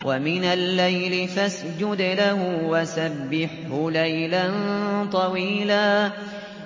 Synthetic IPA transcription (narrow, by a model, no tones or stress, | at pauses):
wʔamɪnalːajlɪfas | d͡ʒʊd̪lahʊwasabːɪħhʊlajlant̪ˤɑwiːlaː